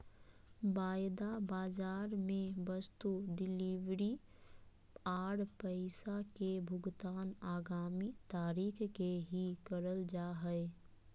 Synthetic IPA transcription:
baːjd̪abaːd͡ʒaːɾmẽbɐst̪uɖɪliʋɾi | aːɽpəɪsakebʱʊɡt̪aːnaːɡaːmit̪aːɾiːkʰkeɦikəɾəld͡ʒaːɦɛe

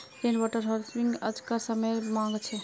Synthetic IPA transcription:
enʋɔʈəɾɦolsiŋɡə̰d͡ʒkəɾsəməjmãŋɡt͡ʃʰɛ

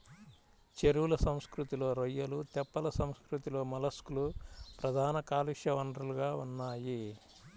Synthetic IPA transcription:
t͡ʃeɾuwulɐsɐmskɾut̪ilo̞ːɾɔjːɐlut̪ɛpːɐlɐsɐmskɾut̪ilo̞ːmɐlɐskulupɾɐd̪ʱaːnɐkaːliʂjɐʋɐɳɖɾɐluɡaːunːaːji

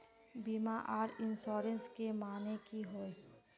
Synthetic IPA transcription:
bimaʔaːɾɪnsɔːɾə̃nskemaːnekiɦoːe

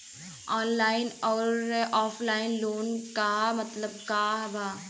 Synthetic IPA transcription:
ɔːnlaːɪnɔːɾeʔɔːfʰlaːɪnloːnkamɐt̪ləb̚kaɦba

